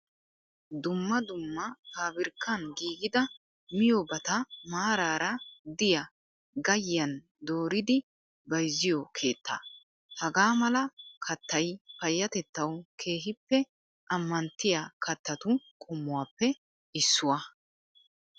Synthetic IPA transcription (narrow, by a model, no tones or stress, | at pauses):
d̪ʊmːɐd̪ʊmːɐkaːbɪɾkʰːɐnɡiːɡɪd̪ɐ | mɪjobɐt̪ɐmaːɾaːɾɐd̪ɪjɐ | ɡɐjːɐn | d̪oːɾɪd̪ɪ | bɐjzːɪjɔkʰe̞ːt̪ːa̰ | hɐɡaːmɐlɐkʰɐt̪ːɐjpɐjːɐt̪ɛt̪ːɐwkʰe̞ːɦɪpːɛ | ʔɐmːɐnt̪ːɪjakʰɐt̪ːɐt̪ʊkʼɔmːʊwaːpːɛ | ɪsːʊwɐ